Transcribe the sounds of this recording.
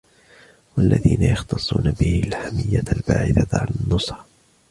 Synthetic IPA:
walːaðiːnajɑxt̪ɑsˤːuːnabɪhɪlħamɪjːalbaːʕɪθaʕalanːʊsˤɾ

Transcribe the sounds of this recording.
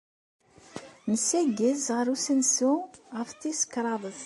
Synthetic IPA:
nəsæɡəzʁəɾˤusənsuʁəfθisə̥kːɾˤɑðˤəθ

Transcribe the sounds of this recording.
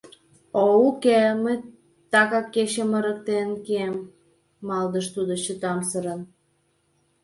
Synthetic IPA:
oukeməj | t̪ɑkɑkːeɕəmə̆ɾək̚t̪enkiemː | ɑld̪əʃt̪ud̪ot͡ɕət̪ɑmsəɾən

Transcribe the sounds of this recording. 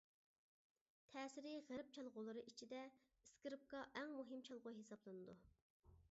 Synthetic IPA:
t̪ʰɛːsɪɾɪʁæɾp̚t͡ʃʰɑlˠʁʊlˠɨɾɨʔit͡ʃʰid̪ɛ | iskiɾɪp̚kɑʔɛŋmuɦɪmt͡ʃʰɑlˠʁʊjɦesɑblˠɨnɨd̪u

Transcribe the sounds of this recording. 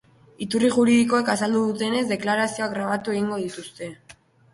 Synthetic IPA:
it̪uriʝuɾiðiko̞e̞kasald̪uðut̪e̞ne̞zd̪e̞klaɾasio̞aɣɾaβ̞at̪ue̞ɣ̞iŋɡo̞ð̞it̪ust̪e̞

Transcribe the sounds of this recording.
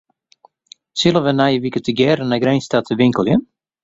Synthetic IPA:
sɪlˠəʋənajəʋikətəɡjɛːɾənaɡrɛjnstatʰəʋɪŋkəlˠjən

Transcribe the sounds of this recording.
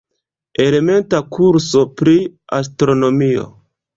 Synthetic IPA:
e̞le̞me̞ntakʰuɾso̞pɾia̰s̬tɾo̞no̞mio̞̰

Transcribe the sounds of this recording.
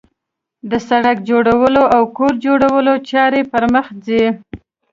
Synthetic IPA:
d̪əsaɽakd͡ʒoɽawəloʔawkoɾd͡ʒoɽawəlot͡ʃɑɾepəɾməxd͡zi

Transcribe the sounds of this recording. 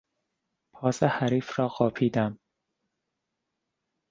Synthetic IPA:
pʰɒːsehæɾiːfɾɒːɢɒːpʰiːd̪æm

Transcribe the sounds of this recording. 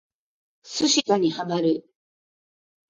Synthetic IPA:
sɨɕik̪aɲ̟ihamaɾɯ̟

